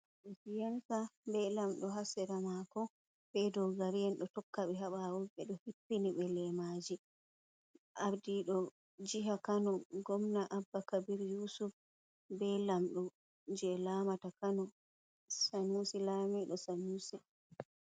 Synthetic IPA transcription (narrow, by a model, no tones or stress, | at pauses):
ɗɔsijasabɛlamɗɔɦasɛɾamakɔ | bɛdɔɡaɾijɛnɗɔtɔkːaɓɛɦaɓawɔɡɛɗɔhipːiniɓɛlɛmad͡ʒi | ʔaɾdiɗɔ | d͡ʒiɦakanɔɡɔmnaʔabːakabiɾjusuf | bɛlamɗɔ | d͡ʒɛlamatakanɔ | sanusilamiɗɔsanuːsi